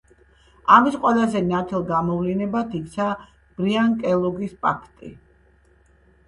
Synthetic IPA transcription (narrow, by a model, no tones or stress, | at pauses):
amisqʼwɛlˠazɛnat̪ʰɛlˠɡamɔvlinɛbat̪ʰikʰt̪sʰa | b̥ɾiaŋkʼɛlˠɔɡispʼakʰt̪ʼḭ